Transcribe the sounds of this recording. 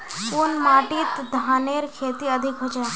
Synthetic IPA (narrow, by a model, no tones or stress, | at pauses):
pʊnmaːʈit̪d̪ʱaːneɾkʰeːt̪iəd̪ʱɪkɦod͡ʒa